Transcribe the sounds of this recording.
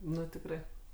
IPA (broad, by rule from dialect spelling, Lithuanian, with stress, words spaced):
ˈnʊ tʲɪkˈrɐɪ